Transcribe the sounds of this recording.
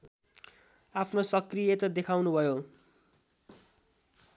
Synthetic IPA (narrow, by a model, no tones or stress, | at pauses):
apʰnosʌkrijet̪ʌd̪ekʰawnubʱʌjo